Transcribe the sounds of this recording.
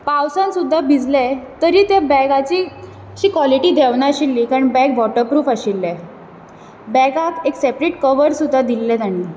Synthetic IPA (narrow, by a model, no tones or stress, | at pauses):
pawsãnsud̪ʱːabid͡zlet̪əɾiːt̪ebɛɡat͡ɕiː | ɕiːkʋɔliʈiːd̪ʱeʋɳaɕilːiːkaɾəɳbɛ̃ɡʋɔʈəɾpɾuːfəɕilːɛ | bɛɡakeksepɾeʈkəʋəɾsud̪ʱːad̪ilːet̪aɽ̃iː